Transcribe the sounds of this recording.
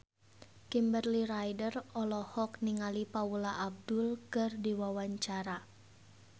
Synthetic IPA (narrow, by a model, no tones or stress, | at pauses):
kimbərliɾajdərɔlɔhɔkniŋalipaulaʔab̚dʊlkɨrdiwawaɲt͡ʃaɾa